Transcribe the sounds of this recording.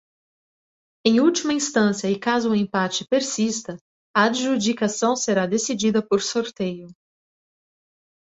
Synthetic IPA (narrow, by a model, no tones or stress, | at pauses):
ẽj̃uwt͡ʃimɐĩst̪ɐ̃sjɐɪkazʊːẽpat͡ʃɪ̥peɾsist̪ɐ | ɐaʒud͡ʒikasɐ̃w̃seɾad̪esid͡ʒid̪ɐpoɾsoɾt̪ejʊ